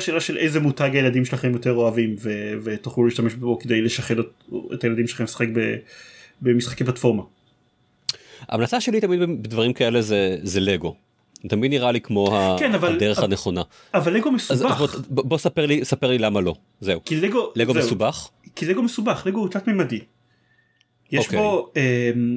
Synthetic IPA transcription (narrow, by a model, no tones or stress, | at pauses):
ʃeːlaʃelʔejzemutaɡajelad̪imʃelaχemjot̪eʁo̞avimvevet̪oχluleiʃtameʃboked̪ejleʃaχeloet̪ajeladimʃeaχemsḁχek̚be | bemisχakep̬latfo̞ʁma | a̰ːmlat͡saʃelit̪amid̪bebed̪vaʁimkae̞lezezeleɡo̞ | t̪ɐmid̪niʁalikmo̞hakenavald̪eʁeχaneχo̞na | avalːeɡomeszabobbosapeʁlisapeʁlilamalo̞ | zeukileɡoleɡozmsubaχkileɡomesubaχleɡoukt͡sat̪memad̪i | jeoʃkbeoem